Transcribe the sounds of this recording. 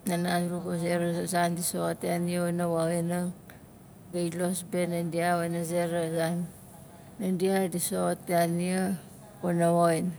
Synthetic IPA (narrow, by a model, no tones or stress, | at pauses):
nanasɾukoseɾasandisoteaniaonawaɣenaŋ | ɡailosbenandiawanazeɾazanː | andiadisoteania | onawojn